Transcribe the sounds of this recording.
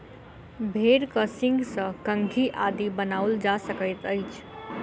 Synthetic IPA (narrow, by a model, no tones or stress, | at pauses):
bʱeɾkəsĩŋɡsə̃kə̃ŋɡʱiʔad̪ibənawld͡ʒasəkəjt̪əjt͡ʃʰ